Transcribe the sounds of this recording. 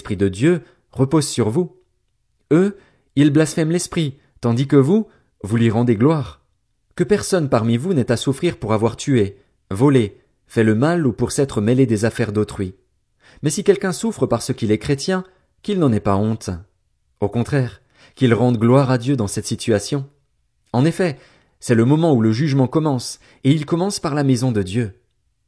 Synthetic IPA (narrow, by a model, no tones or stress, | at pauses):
spχid̪əd̪jø | ʁəpozsyʁvu | ø | ilblasfɛmlɛspχi | t̪ɑ̃d̪ikəvu | vulɥiʁɑ̃d̪eɡlwaʁ | kəpɛʁsɔnpaʁmivunɛt̪asufχiʁpuʁavwaʁt̪ye | vɔle | fɛləmalupuʁsɛt̪χəmeled̪ezafɛʁd̪ot̪χɥi | mɛsikʲɛlkʲɛ̃sufχəpaʁsəkʲilɛkχet̪jɛ̃ | kilnɑ̃nɛpaɔ̃t̪ | okɔ̃t̪χɛʁ | kʲilʁɑ̃d̪ɡlwaʁad̪jød̪ɑ̃sɛt̪sit̪yasjɔ̃ | ɑ̃nefɛ | sɛləmɔmɑ̃uləʒyʒmɑ̃kɔmɑ̃s | eilkɔmɑ̃spaʁlamezɔ̃d̪əd̪jø